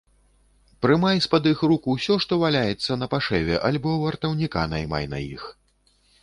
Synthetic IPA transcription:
pɾɨmajspad̪ɨxɾukuwsʲɔʂt̪ɔvalʲajɛt̪sːɐnɐpaʂɛvʲɛʔalʲbɔvɐrt̪ɐwnʲikanɐ̰jma̰jnɐ̰jḭx

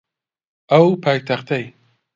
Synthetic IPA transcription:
ɐwpʰaːjt̪ʰaχt̪ʰɐj

